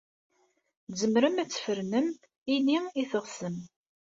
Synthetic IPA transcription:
zəmɾəmæt͡sːfəɾnəm | iniiθəʁsəm

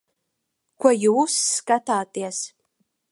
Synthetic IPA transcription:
kʷʰɐjɪusːkʼatʰaːtʼias

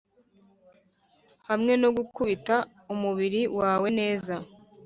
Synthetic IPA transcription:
hamŋe̞no̞ɡukuβita | umuβiɾiwaːwe̞ne̞ːza

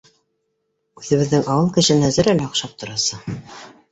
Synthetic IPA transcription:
ʉðɘ̆βɘ̆ðːɘŋɑwɤlˠkɘ̆ʃɘnæzɘ̆ɾælæŏqʃɑp̚t̪ŏɾɑsɤ

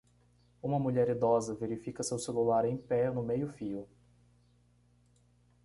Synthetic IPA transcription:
ũmɐmuʎɛɾid̪ɔzɐveɾifikɐsewselulaɾẽj̃pɛnʊmejʊfiʊ

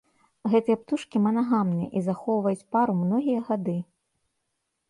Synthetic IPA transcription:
ɣɛt̪ɨjɛpt̪uʂkʲimɐnaɣamnɨjɛ̰ʔizaxɔwvɐjut͡sʲpaɾumnɔɣʲijɐɣad̪ɨ

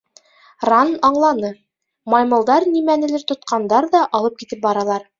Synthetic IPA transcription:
rɑnɑɴlˠɑnɤ | mɑjmɤ̆lˠd̪ɑɾnimænɘ̆lɘɾt̪ŏt̪̚qʰɑnd̪ɑɾðɑʔɑlˠɤp̚kit̪ɘp̚bɑɾɑlˠɑɾ

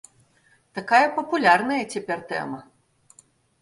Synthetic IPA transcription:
t̪akajɐpɐpulʲarnɐjɐt͡sʲɛpʲɛrt̪ɛ̰mɐ

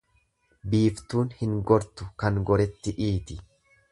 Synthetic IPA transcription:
biːft̪uːnhɪŋɡɔɾt̪ʊkɐŋɡɔɾɛt̪ːɪʔiːt̪ɪ

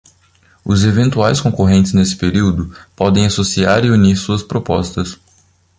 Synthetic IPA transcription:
ʊzevẽnt̪uajskõkoɦẽnt̪ɪznesɪ̥peɾiwd̪ʊpɔd̪ẽj̃asosia̰ɾɪuniɾsuɐspɾopɔst̪ɐs

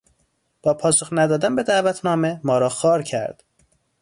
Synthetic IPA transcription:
b̥ɒːpʰɒːsoxnæd̪ɒːd̪ænbe̞d̪æʔvæt̪ʰnɒːme̞mɒːɾɒːxɒːɾcʰæ̰ɾd̪̥

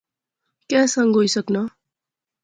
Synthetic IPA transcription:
kasʌŋɡʱojsʌknʌ

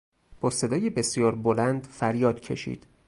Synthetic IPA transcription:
b̥ɒːse̞d̪ɒːjebe̞sijɒːɾbo̞lænd̪fæɾjɒːd̪̥cʰe̞̰ʃḭːd̪̥

